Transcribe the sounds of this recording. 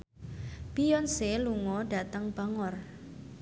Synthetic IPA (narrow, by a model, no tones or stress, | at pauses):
pijɔnseluŋɔɖa̤t̪əŋb̥a̤ŋɔr